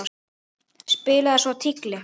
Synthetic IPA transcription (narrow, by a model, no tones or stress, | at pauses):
spɪːlaðɪsvɔwt̪ʰiklɪ